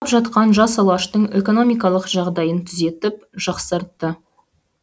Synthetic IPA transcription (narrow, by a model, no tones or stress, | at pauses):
pʒɑt̪qɑnʒɑsɑlˠɑʃt̪əɴe̞ko̞no̞mijkɑlˠəqʒɑʁd̪ɑjənt̪ʰʏze̞t̪ɪp̚ | ʒ̥ɑqsɑɾt̪ːə